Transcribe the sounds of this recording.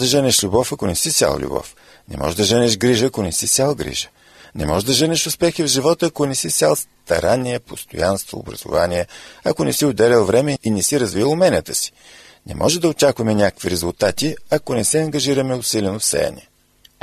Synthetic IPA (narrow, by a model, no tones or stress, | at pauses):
d̪ɐʒənɛʃlʲubɔfɐkonɛsisʲja̰l̰ˠlʲṵbɔ̰f | nɛ̰mɔ̰ʒd̪ɐʒənɛʃɡɾiʒəːkonɛsit̪sʲalˠɡɾḭʒə̥ | nɛmɔʒd̪ɐʒənɛʃʊspɛxivʒivɔt̪əːkonɛsisʲalˠst̪ɐ̰ɾanːiɛpost̪o̰janst̪vo̰ːbɾɐ̰zʊ̰va̰niɛɐkonɛsiʊd̪ɛlʲɛlˠvɾɛmɛinɛsiɾɐzviəlˠʊmɛnət̪əsi̥ | nɛ̰mʔɔʒɛd̪ɐot͡ʃakvɐmɛnʲakəkviɾɛzulˠt̪at̪iɐkonɛsɛɐŋɡɐʒiɾɐmɛʊsilʲɛnofsɛ̰jɐ̰nʲɛ̰